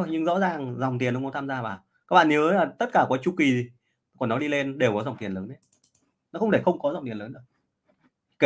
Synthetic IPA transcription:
jɲɨ˧ŋzɔ̰˧˥zaː˨˩ŋzwŋ͡mt̪i˨˩nɗwt̪ʰaː˧mzaː˧vaː˨˩ | ka˦˥k̚ɓa̰ː˧˨ʔi˨˦əː˨˦laː˨˩t̪ə˦˥t̚kaː˧˩kɔː˨˦jt͡ɕu˧ki˨˩i˨˩ | kɔ˨˩nːɔ˨˦ɗi˧le˧nɗe˨˩wkɔ˨˦za˨˩wŋ͡mt̪i˨˩ənləː˨˦nʔə˨˦j | nɔ˨˦xə˧wŋ͡mt̪ʰe˧˩xə˧wŋ͡mkɔ˨˦za˨˩wŋ͡mt̪i˨˩ələː˨˦nɗɨ̰˧˩k̚ | k

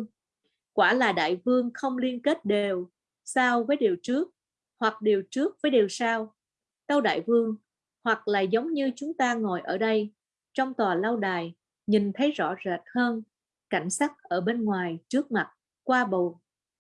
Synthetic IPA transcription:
ŋ | kwaː˧˩laː˨˩ɗa̰ː˧˨jvɨ˧əŋxə˧wŋ͡mli˧ənke˦˥t̚ɗe˨˩w | saː˧wvəː˨˦jɗi˨˩wt͡ɕɨ˦˥ək̚ | hwa˨˩k̚ɗi˨˩əwt͡ɕɨ˦˥ək̚vəː˨˦jɗe˨˩wsaː˧w | t̪ə˧wɗa̰ː˧˨jvɨ˧əŋ | hwa˨˩k̚la̰ː˨˩zə˨˦wŋ͡mɲɨ˧t͡ɕʊ˨˦ŋ͡mt̪aː˧ŋo˨˩jʔəː˧˩ɗə˧j | t͡ɕɔ˧wŋ͡mt̪waː˨˩la˧wɗaː˨˩j | ɲi˨˩ŋt̪ʰə˨˦jzɔ̰˧˥zə˨˩t̚həː˧n | ka˧˩jŋ̟saː˦˥k̚ʔəː˧˩ɓe˧nŋwaː˨˩jt͡ɕɨ˦˥ək̚ma˨˩t̚ | kwaː˧ɓo˨˩

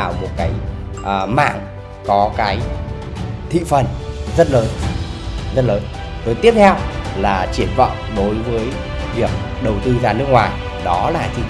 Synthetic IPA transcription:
wmo˨˩t̚kaː˨˦jʔːma̰ː˧˨ŋ | kɔ˨˦kaː˨˦j | t̪ʰḭ˧˨fə˨˩nzə˦˥t̚ləː˨˦n | zə˦˥t̚ləː˨˦n | t̪o˨˧˩jt̪i˦˥əp̚t̪ʰɛ˧wlaː˨˩t͡ɕi˧˩ənvə̰˧˨wŋ͡mɗo˨˦jvəː˨˦j | vi˨˩ək̚ | ɗə˨˩wt̪ɨ˧zaː˨˩nɨ˦˥ək̚ŋwaː˨˩j | ɗɔ˨˦laː˨˩t̪ʰi˧

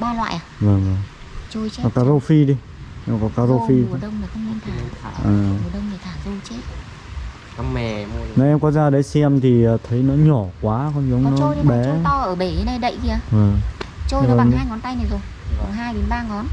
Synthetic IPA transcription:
ɓaː˧lwa̰ː˧˨ʔaː˨˩vəː˨˩ŋvə˨˩ŋ | t͡ɕo˧jt͡ɕe˦ɔ˨˩kaː˨˦zo˧fi˧ɗi˧˩ | kɔ˨˦kaː˨˦zo˧fi˧˩˨ɗə˧wŋ͡mna˨˩xə˧wŋ͡mi˧nt̪ʰaː˧˩˧ʔaː˨˩˨ɗə˧wŋ͡mna˨˩t̪ʰaː˧˩zo˧t͡ɕe˦ | ka˨˧ɛ˨˧nɔ˨˦ʔɛ˧mkɔ˨˦zaː˧˩ɗə˨˦jsɛ˧mt̪ʰiː˨˩˨t̪ʰə˨˦jnɔ̰˧˨˥ɲɔ˧˩kwaː˨˦kɔ˧˦ni˨˦ŋ͡mnɔ̰˦˧ji˧ɓɛ˨˦˧t̪ɔ˧ʔəː˧˩ɓe˧˩ɗe˨˦nːa˧jɗə̰˧˨jki˧aː˧˩və˨˩ŋt͡ɕo˧jaː˨haː˧jŋɔ˨˦nt̪a˧jna˨˩zo˨˩j | kɔ˨˩ɦaː˧jɗe˨˦nɓaː˧ŋɔ˨˦n

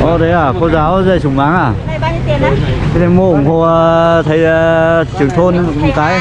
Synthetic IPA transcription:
ʔɔ˧ɗə˨˦jaː˨˩kɔ˨˧˦zaː˨˦wza˧˩jsʊ˨˩ŋ͡mʔaː˨˦ŋʔaː˨˩ | e˨˦t̪ʰe˨˦mo˧˩˨ŋho˧˩t̪ʰə˨˦jt͡ɕɨ˨ə˩ŋt̪ʰo˧n˨kaː˨˦j

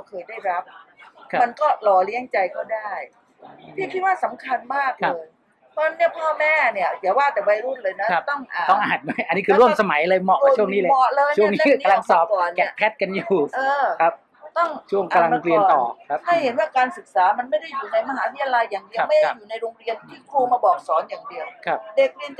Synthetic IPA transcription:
a˧˩kʰɤː˧jdaː˥˩jɾa˦˥p̚ʰma˧nkɔː˥˩lɔː˨˧˩li˦˥əŋt͡ɕa˧jkɔː˥˩daː˥˩j | tʰiː˥˩kʰi˦t̪̚waː˥˩sa˩˦mkʰa˧nmaː˥˩k̚la˦˧ɤː˧j | pɔ˧˥nːi˥˩ɐpʰɔː˥˩mɛː˥˩ni˥˩ɐt̪i˩˦əwaː˥˩t̪ɛː˨˩wa˧jɾu˥˩lɤː˧jna˦˥˦t̪ɔ˥˩ŋʔaː˨˩ɔ˥˩ŋʔaː˨˩t̪̚ma˥˩jʔa˧nːiː˦˥kʰɯː˧ɾu˥˩əmsa˧ma˩˦jlɤː˧jmɔ˨˩ʔ̚a˦˧t͡ɕʰu˥˩ə˨ŋniː˦˥lːɔ˨˩lɤː˧jt͡ɕʰu˥˩ə˧ŋni˥˦˥a˧la˧ŋsɔː˨˩pkɔː˨˩nnkɛ˨˩kʰɛ˦˥t̪̚ka˧njuː˨˩ʔɤː˧kʰa˦˥p̚ | t̪ɔ˥˩ŋt͡ɕʰu˥˩əŋkaːa˧˩la˧ŋ˧ŋɾi˧ən˨˩t̪ɔ̰ː˨˩kʰha˥˩jhe˩˦nwaː˥˩kaː˧nsɯ˨˩k̚saː˩˦ma˧nma˥˩jda˥˩juː˨˩na˧jma˧ɦaː˨˦wt̪ʰja˧la˧jːaː˨˩ŋdi˧˦ma˥˩jdjuː˨˩na˧jɾoː˧ŋɾi˧ənt̪ʰiː˥˩kʰɾuː˧maː˧bɔː˨˩k̚sɔː˩˦njaː˨˩ŋdi˧əwkʰa˦˥pde˨˩k̚ɾi˧ən

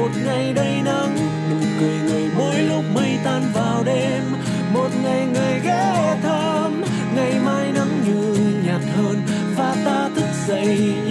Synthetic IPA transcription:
o˨˩t̚ŋa˨˩jɗə˧jna˧m | ɗɨ˨˦ŋ͡mkɨ˨˩əjŋɨ˨˩əjɓə˨˦jlʊ˦˥k͡p̚mə˧jt̪aː˧nvaː˨˩wɗe˧m | mo˨˩t̚ŋa˨˩jŋɨ˨˩əjɣɛ˧˥˨t̪ʰə˧ | m | ŋa˨˩jmaː˧jna˧mɲu˨˩nɲa˨˩t̚həː˧n | vaː˨˩t̪aː˧t̪ʰɨ˦˥k̚zə̰˧˨j

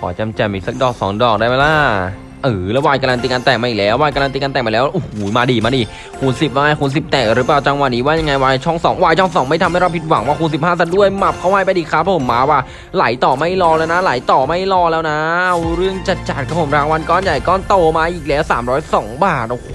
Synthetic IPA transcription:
kʰɔ̰ː˩˦t͡ɕa˧mt͡ɕɛː˧˩miː˧˩sa˧k̚dɔː˨˩k̚sɔː˨˩˦ŋdɔː˨˩k̚daː˥˩jma˦˥jlaː˧˥˩ | ʔɯː˨˩la˧waː˧jka˧la˧nt̪iː˧ka˧nt̪ɛː˨˩ŋ̚ma˧ʔi˨˩lɛː˦˥wːaː˧jka˧la˧t̪iː˧ka˧nt̪ɛː˨˩ma˧lɛː˦˥wʔu˨˩huː˨˩˦maː˧diː˧maː˧diː˧ | kʰuː˧nsi˨˩p̚maː˧ŋa˧˩kʰu˧ns̬i˨˩p̚t̪ɛː˨˩k̚ɾɯː˨˦˥paː˨˩wt͡ɕa˧ŋwa˧nːiː˦˥waː˥˩ja˧ŋːa˧jwaː˧t͡ɕʰɔ˥˩ŋsɔː˩˦ŋwaː˧jt͡ɕʰɔ˥˩ŋsɔː˨˦ŋma˥˩t̪ʰa˧mhjɾa˧wpʰi˦˥t̪̚wa˩˦ŋwaː˥˩uː˧nsi˨˩p̚haː˥˩s̬a˧˩du˥˩əjma˨˩p̚kʰa˧˥wha˧˩pa˧jdiː˧kʰa˦˥pʰɔ˧˨pʰo˩˦mːaː˧waː˥˩ | la˨˩˦jt̪ɔː˨˩ma˥˩jlɔː˧lɛː˦˥wna˦˥la˨˩˦jt̪ɔː˨˩ma˥˩jlɔː˧lɛː˦˥wna˦˥˧wɾɯ˥˩əŋt͡ɕa˨˩t̪̚t͡ɕa˨˩t̪̚kʰa˧˩pʰo˨˩˦mɾaː˨˧ŋwa˧nkɔː˧˥˩nja˨˩jkɔː˧˥˩nt̪oː˧˩maː˧ʔiː˨˩k̚lɛː˦˥wsaː˨˩˦mɾɔː˦˥jsɔː˩˦ŋbaː˨˩t̪̚ʔo˧˩h

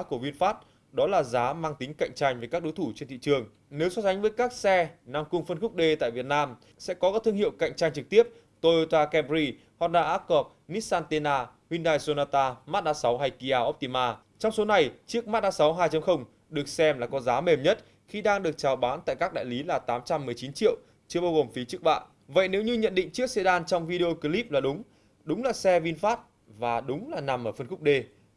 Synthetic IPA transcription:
ku˧˩əvi˧ənfaː˦˥t̚ | ɗɔ˨˦laː˨˩zaː˨˦maː˧ŋt̪ï˨˦ŋ̟ka̰˧˨jŋ̟t͡ɕa˧j̟vəː˨˦jkaː˦˥k̚ɗo˨˦jt̪ʰu˧˩t͡ɕe˧nt̪ʰḭ˧˨t͡ɕɨ˨˩əŋ | ne˨˦wsɔ˨˦˥za˨˦jŋ̟vəː˨˦jkaː˦˥k̚sɛ˧na˧mkʊ˧ŋ͡mfə˧nxʊ˦˥k͡p̚ɗe˧t̪a̰ː˧˨jvi˨˩ət̚naː˧m | sɛ̰˧˥kɔ˨˦kaː˨˦˥t̪ʰɨ˧əŋhḭ˧˨ə˨wka̰˧˨jŋ̟t͡ɕa˧jŋ̟t͡ɕɨ˨˩k̚t̪i˦˥əp̚ | t̪o˧ʔo˧t̪aː˧kɛ˧mzi˧ | hɔ˧n̚ɗaː˧ʔaː˦˥kɔ˨˩p̚ni˦˥saː˧nt̪e˧naː˧hwi˧nɗaː˧jso˧naː˧t̪aː˧maː˦˥t̚ɗaː˧sa˨˦wɦa˧˩jki˧ʔaː˧˩ʔo˦˥p̚t̪i˧˩maː˧ | t͡ɕɔ˧wŋ͡mso˨˦na˨˩jt͡ɕɨ˦˥ək̚maː˦˥t̚ɗaː˧˥sa˨˦wɦaː˧jt͡ɕa˨˧˦mxə˧wŋ͡m | ɗɨ˨˩ək̚sɛ˧mlaː˨˩kɔ˨˦zaː˨˦me˨˩mɲə˦˥t̚ | xi˧ɗaː˧ŋɗɨ˨˩ək̚t͡ɕaː˨˩wɓaː˨˦nt̪a̰ː˧˨jkaː˦˥k̚ɗa̰ː˧˨jli˨˦laː˨˩t̪aː˨˦mt͡ɕa˧mːɨ˨˩əjt͡ɕi˨˦nt͡ɕḭ˧˨əw | t͡ɕɨ˧əɓaː˧wɣo˨˩mfi˨˦t͡ɕɨ˦˥ək̚ɓa̰ː˧˨n | və̰˧˨jne˨˦wɲɨ˧ɲə̰˧˨nɗḭ˧˨ŋ̟t͡ɕɨ˦˥ək̚sɛ˧ɗaː˧nt͡ɕɔ˧wŋ͡mvi˧ɗe˧o˧ki˧li˦˥p̚laː˨˩ɗʊ˨˦ŋ͡m | ɗʊ˨˦ŋ͡mlaː˨˩sɛ˧vi˧nfaː˦˥t̚ | vaː˨˩ɗʊ˨˦ŋ͡mlaː˨˩na˨˩mʔəː˧˩fə˧nxʊ˦˥k͡p̚ɗe˧

